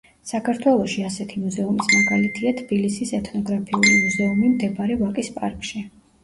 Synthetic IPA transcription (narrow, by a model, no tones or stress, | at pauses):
sakʰaɾt̪ʰwɛlˠɔʃiasɛt̪ʰimuzɛumismaɡalit̪ʰiat̪ʰb̥ilisisɛt̪ʰnɔɡɾapʰiulimuzɛumimd̪ɛbaɾɛvakʼispʼa̰ɾkʼʃi